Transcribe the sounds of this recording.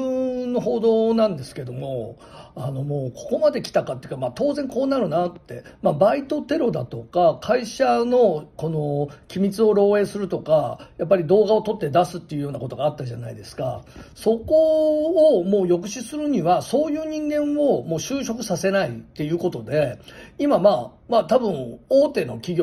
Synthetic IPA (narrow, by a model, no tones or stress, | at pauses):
ɯ̃nːo̞ɦo̞ːd̪o̞ːnãnd̪e̞sɨ̥ke̞d̪o̞mo̞ | ano̞mo̞ːkʰo̞ko̞mad̪e̞kʲi̥t̪akat̪ːeiɯ̟kamat̪o̞ːzẽ̞ŋko̞ːnaɾɯ̟nat̪ːe̞mabait̪o̞t̪e̞ɾo̞d̪at̪o̞kakʰaiɕano̞ko̞no̞kʲimʲit͡sɨo̞ɾo̞ːe̞ːsɨɾɯ̟t̪o̞kajapːaɾʲid̪o̞ːɡao̞t̪o̞t̪ːe̞d̪asɨt̪ːe̞iɯ̟jo̞ːnako̞t̪oɡaːt̪ːaʑanaid̪e̞sɨ̥ka̰so̞ko̞ː | mo̞ːjo̞k̬ɯ̟ɕisɨɾɯ̟ɲ̟iβaso̞ːjɯ̟ːɲ̟ĩŋɡẽ̞ɰ̃o̞mo̞ːɕɨːɕo̞kɯ̟sase̞nait̪ːe̞jɯ̟ːko̞t̪o̞d̪e̞imamaː | maːt̪abɯ̟̃ɴ̃oːt̪e̞ːno̞̰kʲiɡʲo